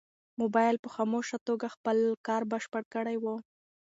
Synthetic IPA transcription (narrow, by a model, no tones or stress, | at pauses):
mobɑjlpəxɑmoʃat̪oɡaxpəlkɑɾbəʃpəɽkəɽajwə